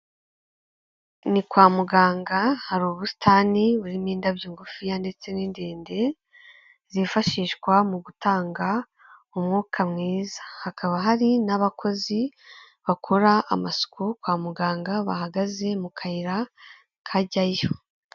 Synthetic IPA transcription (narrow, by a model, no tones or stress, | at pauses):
nikwaːmuɡaːŋɡahaɾuːβusi̥tʰaniβuɾimiːndabjiːŋɡufijande̞t͡se̞niːndeːnde̞ | z̥ifaʃiːʃkwamuɡutaːŋɡa | umŋuːkʰamŋiːzḁhakaβaɦaɾinaβakʰo̞zi | βakʰoɾaʔːmasu̥kukwaːmuɡaːŋɡaβa̰ɦaɡaze̞mukʰajiɾa | kʰaɟajo